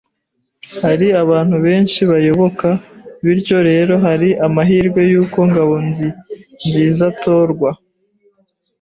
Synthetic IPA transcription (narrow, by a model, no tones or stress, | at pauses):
haɾiaβaːn̥huβe̞ːnʃiβajo̞βo̞kaβiɾɟo̞ɾe̞ːɾo̞ɦaɾiʔamaɦiːɾɡwe̞juːko̞ŋɡaβo̞nzinziːzatoːɾɡwa